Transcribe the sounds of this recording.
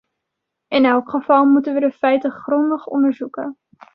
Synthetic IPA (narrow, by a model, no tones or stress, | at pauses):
ɪnɛlˠkχəv̥ɑlˠmutənʋədəfɛjtəχrɔndəχɔ̰ndəɹzukə